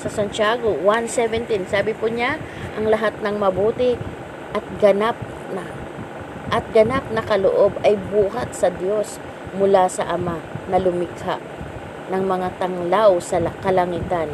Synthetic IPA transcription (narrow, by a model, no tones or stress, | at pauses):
sɐsɐnt͡ʃaːɡowansɛvɛnt̪insaːbɪpʊɲa | ʔɐŋlɐɦat̪̚nɐŋmɐbuːt̪ɪ | ʔɐt̪̚ɡɐnap̚ | nɐ | ʔɐt̪̚ɡɐnap̚nɐkɐlo̰ʔo̞bɐjbuːɦɐt̪̚sɐd̪jo̞s | mʊlasɐ̰ʔɐmanɐlʊmɪɡhaʔ | nɐŋmɐŋat̪ɐŋlawsɐkɐlɐŋit̪ɐn